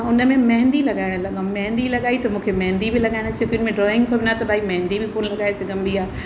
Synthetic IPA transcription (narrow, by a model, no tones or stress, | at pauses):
ʊnə̆mẽmɐ̃ɦɪ̃nd̪ilɐɠaːɪɽ̃lɐɠãmɐ̃ɦnd̪ilɐɠaːit̪ɐmũːkʰemɐɦɪ̃nd̪ibɪlɐɠaːɪɽ̃t͡ɕʰekjʊnmẽɖɾɔːɪ̃ŋɡ̚kʰobʱɪnat̪ɐbʱaːimɐ̃ɦɪ̃nd̪ibʱɪpoːnlɐɠaːeseɡɐ̃mbiaː